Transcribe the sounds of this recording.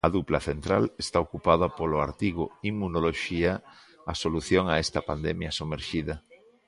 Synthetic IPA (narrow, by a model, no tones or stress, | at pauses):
ɐðuplɐθent̪ɾa̰lest̪aokupaðɐpolʊa̰ɾt̪iɣʊ̰imːunoloʃiaː | soluθjoŋaest̪ɐpand̪ɛmjɐsumeɾʃiðɐ